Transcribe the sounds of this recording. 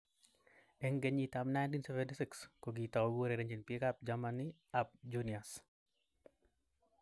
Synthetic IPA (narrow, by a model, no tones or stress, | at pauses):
ɛŋɡeɲitamnajntinsɛvɛntisɪkskoɡitawɡoɾeɾeɲd͡ʒinpiɛkap̚d͡ʒamaniap̚d͡ʒunias